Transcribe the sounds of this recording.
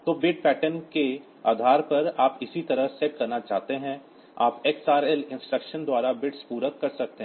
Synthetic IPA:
t̪oːbɪʈ̚pɛːʈənke | aːd̪ʱaːɾpɐɾaːpɪsit̪ɐɾəɦsekɐɾnat͡ʃaːɦt̪eɦɛ̃ | a̰ːpeːksaːɾɛlɪ̃nsʈɾəkʃənd̪waːɾabɪʈspuːɾəkːɐɾsɐk̚t̪eɦ

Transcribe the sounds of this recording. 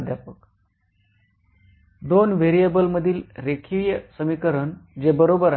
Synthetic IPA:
d̪ʱjapək | d̪onʋeɾijəbəlməd̪ʱiːlɾekʰiɭjəsəmikəɾənd͡ʑebəɾobəɾa

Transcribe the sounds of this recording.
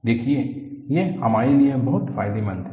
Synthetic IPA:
d̪eːkʰiejehɐmaːɾeliebɐɦʊt̪faːɪd̪emɐ̃nt̪ʰɛ

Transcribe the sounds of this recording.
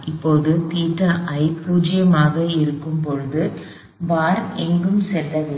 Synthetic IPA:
ɪpːoːðɯt̪iːʈrɐʔɐɪpːuːd͡ʒɪjɐmaːɣɐɪɾɯkːɯmpɔɻɯðɯ | ʋaːɾɛŋɡɯmsɛld̪ɐʋɪ

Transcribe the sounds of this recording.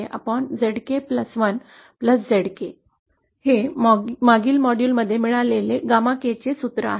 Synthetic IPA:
eʔa̰pəɳd͡zeɽkepləsʋən | pləsd͡zeɽke | hemaɡiːlmɔɽjuːlməd̪ʱːjemiɭaleleɡamaket͡ɕesut̪ɾə̰a̰ɦe

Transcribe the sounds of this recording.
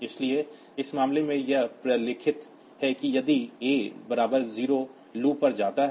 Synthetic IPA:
ɪslie | ɪsmaːmlemẽjɐɦpɾɐlɪkʰɪt̪ | hɛkijɐd̪ieːbɐɾaːbəɾziːɾo | luːpɐɾd͡ʒaːt̪aɦ

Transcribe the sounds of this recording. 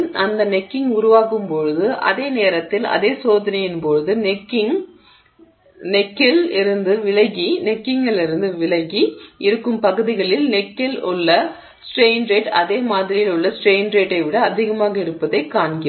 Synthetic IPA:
ɐnd̪ɐnɛkːɪŋʊɾʊʋaːkɯmpɔɻɯðɯʔɐ̰ðeːneːɾɐt̪ːɪlɐ̰ðeːsoːðɐnɐjɪnpɔɻɯðɯnɛkːɪŋ | nɛkːɪlɪɾɯnd̪ɯʋɪlɐɣinɛkːɪŋɡɐɭɪɾɯnd̪ɯʋɪɭɐɣiʔɪɾɯkːɯmpɐɣɯðɪɣɐɭɪlnɛkːɪlʊɭːɐ | sʈɾeɪnɾeːʈɐðeːmaːðɾɪjɪlʊɭːɐsʈɾeɪnɾeːʈːɐɪʋɪɽɐːðɪɣɐmaːɣɐɪɾɯpːɐðɐɪkːaːɳɡɪ

